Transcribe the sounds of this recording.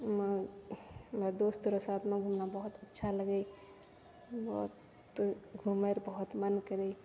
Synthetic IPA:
mə | mɾad̪ost̪uɾosaːt̪ʰmẽɡʱumnabəɦʊt̪ətːʃʰaləɡəj | bɔɦut̪ | ɡʱumeɾbəɦut̪mənkəɾei

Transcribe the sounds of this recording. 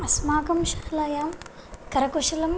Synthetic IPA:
ɐsmaːɡɐmʃaːlɐjaːm | kɐɾɐkuʃilɐm

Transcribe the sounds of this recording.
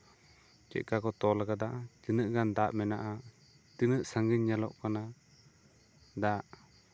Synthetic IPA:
t͡ʃɛ̰c̪̚ˀkakɔt̪ɔlaɡad̪aʔat̪inəʔɡand̪aʔmɛnaʔa | t̪inəʔsaŋɡiɲːalɔ̰ʔkana | d̪aʔ

